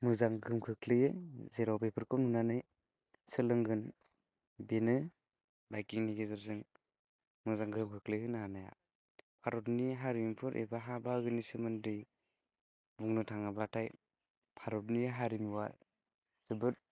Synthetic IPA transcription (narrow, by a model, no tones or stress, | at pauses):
mɯzaŋɡɯmkʰɯkʰlɯjɯzeɾawbepʰɯɾkʰɔnunanɯj | sɯlɯŋɡɯn | benɯ | bajkiŋniɡezɯɾzɯŋ | mɯzaŋɡɯmkʰɯklɯhɯnaanaja̰ | pʰaɾɔtniɦaɾimpʰɯɾʔḛbaɦabaɡɯnisɯmɯndɯj | buŋnɯtʰaŋablatʰaj | pʰaɾɔtniɦaɾimiwa | sɯbɯɾ